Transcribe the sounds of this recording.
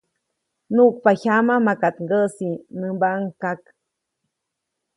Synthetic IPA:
nuʔk̚paçamamakat̪ŋɡəʔsinɨmbaŋkak

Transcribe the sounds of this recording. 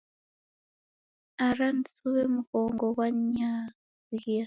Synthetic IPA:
aɾan̩suβemukoːŋɡowaɲa | ziia

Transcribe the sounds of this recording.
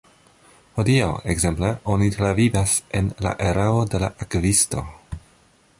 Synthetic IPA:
ho̞diaweɡze̞mpleo̞nitɾavivase̞nla̰ʔeɾaode̞laʔakvisto̞

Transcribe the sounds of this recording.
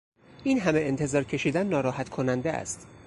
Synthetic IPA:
ʔiːnɦæme̞ent̪ʰe̞zɒːɾcʰe̞ʃiːd̪ænːɒːɾɒːɦæt̪kʰo̞nænd̪eæ̰st̪

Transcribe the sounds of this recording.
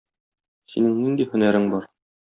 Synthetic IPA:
sinɘŋnind̪ihɵ̆næɾɘŋbɒɾ

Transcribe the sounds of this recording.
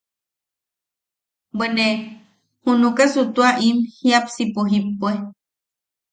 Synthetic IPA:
bene | hunukesut̪uaʔimhiapsipuɦipːue

